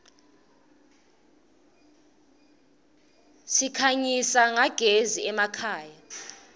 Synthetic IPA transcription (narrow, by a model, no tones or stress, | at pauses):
sikʰaɲisaŋaɡ̥ʱeziɛmakʰaːja